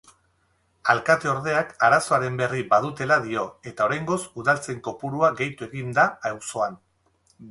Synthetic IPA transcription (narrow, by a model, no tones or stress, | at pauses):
alkat̪eo̞ɾðe̞akaɾaso̞aɾe̞mbe̞riβað̞ut̪e̞laðio̞e̞t̪ao̞ɾajŋɡo̞suðalt͡se̞ŋko̞puɾuaɣe̞jt̪ue̞ɣind̪aawso̞an